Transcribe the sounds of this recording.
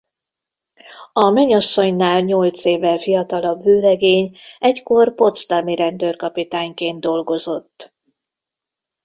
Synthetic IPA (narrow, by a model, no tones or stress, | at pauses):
ɒmɛɲɒsːo̞ɲnaːlɲo̞lt̪seːvɛlfijɒt̪ɒlɒbvøːɾɛɡeːɲɛckorpo̞t̪st̪ɒmiɾɛnd̪ørkɒpit̪aːɲkeːnd̪d̪o̞lɡo̞zo̞t̪ː